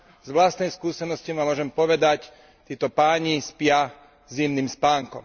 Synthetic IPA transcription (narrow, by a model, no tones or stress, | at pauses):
zʋlast̪nɛjskuːsɛnɔscimamʊɔːʒɛmpɔʋɛd̪ac | t̪iːt̪ɔpaːɲispɪa | zimniːmspaːŋkɔ̰m